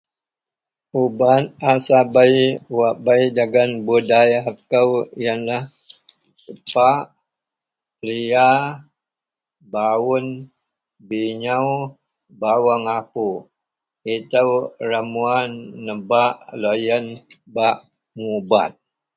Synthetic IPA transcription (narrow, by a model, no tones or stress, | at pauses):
ubat̪̚asabajwaʔbaidaɡanbudajakəwjanlah | əpaʔ | lia | bawʊn | biɲaw | bawaŋaku | it̪awrəmuanːəbaʔlojənbaʔ | muba̰t̪̚